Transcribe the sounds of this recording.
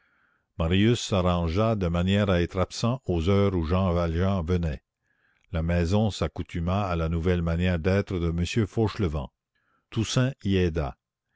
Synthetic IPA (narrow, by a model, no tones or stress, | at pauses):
maʁijysːaʁɑ̃ʒad̪əmanjɛːʁaɛt̪ɾapsɑ̃ozœːʁuʒɑ̃valʒɑ̃vənɛ | lamɛzɔ̃sakut̪ʰymaːlanuvɛlmanjɛːʁd̪ɛːt̪ɾəd̪əməsjøfoːʃləvɑ̰̃ | t̪usɛ̃iɛːd̪a̰